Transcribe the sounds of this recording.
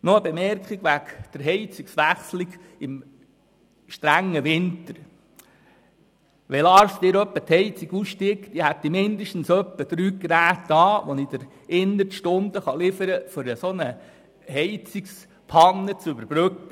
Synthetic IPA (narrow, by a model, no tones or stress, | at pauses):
noəbemɛɾkχiɡʋækd̪̥əɾɦɛɪt͡siksʋæχsliɡ | ɪm | ʃtɾæŋːəʋɪnt̪əɾ | ʋɛlɑːɾsd̪ɪːɾœpːəthɛɪt͡siɡusʃtiːkt̪ihæt̪ːimɪnd̪əʃtn̩sœpːəd̥̪ɾyːɡɾæːt̪ɑːʋɔnid̥̪əɾ | ɪnːəɾʃtʊnd̪əχɑlɪfəɾəføɾəsonə | hɛɪt͡siks | pʰɑnːət͡sʉbəɾb̥ɾʉkːə